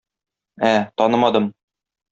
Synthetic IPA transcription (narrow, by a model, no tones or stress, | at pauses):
æt̪ɒnɤmɑd̪ɤm